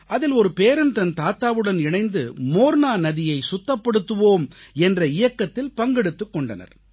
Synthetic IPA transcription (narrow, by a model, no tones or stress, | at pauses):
ʔɐðɪlɔɾɯpeːɾɐɯnt̪ɐnt̪aːt̪aːʋɯɽɐnɪɳɐɪnd̪ɯ̰moːɾnaːnɐðɪjɐɪsʊt̪ːɐpːɐɽɯt̪ːɯʋoːmɛndrɐɪjɐkːɐt̪ːɪlpɐŋɡɛɽɯt̪ːɯkːɔɳɖɐnɐ̰ɾ